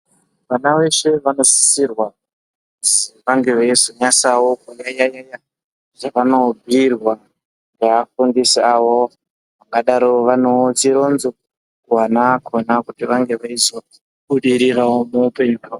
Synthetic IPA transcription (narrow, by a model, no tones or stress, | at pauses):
ʋanaʋe̞ʃe̞ʋano̞si̥sirwa | usiʋaŋɡe̞ʋaizoɲasawokujajajaja | ʐaʋano̞bʱirwa | ŋɡeafundisiaʋo | ʋaŋɡaɗaɾoʋanot͡siɾonzu | kuwanakʰonakutiʋaŋɡe̞ʋaizo | ɓuɗiɾiɾawomuupe̞ɲuka